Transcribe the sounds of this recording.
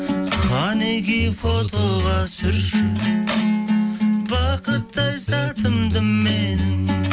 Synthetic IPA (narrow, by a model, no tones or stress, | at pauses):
χɑneɡijfot̪ʰoʁɑsʏɾʃɪ | bɑqət̪ːɑjsɑt̪ʰəmd̪əmːenɪm